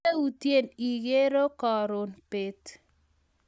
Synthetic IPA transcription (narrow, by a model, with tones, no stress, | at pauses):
e˦u˨tje˦˨ni˨ɡe˦ɾo˦kɔ˨ɾʊ˨npe˨t